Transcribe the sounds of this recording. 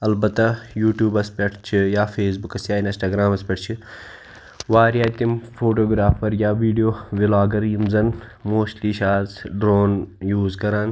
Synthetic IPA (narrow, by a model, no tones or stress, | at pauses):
ɐlbɐt̪ajuːʈjuːbɐspʲɐʈʰt͡ʃʰijaːfeːs̬bukɐsjaːinɐsʈaːɡɾaːmɐspʲeʈʰt͡ʃʰi | ʋaːɾjaːt̪imfoːʈoːɡɾaːfɐɾjaːʋiːɖijoːʋilaːɡɐɾjimzɐn | moːʃliːʃaːzɖɾoːnjuːzkɐɾaːn